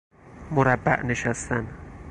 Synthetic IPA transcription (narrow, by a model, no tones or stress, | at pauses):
moɾæbːæ̰ʔneʃæst̪æn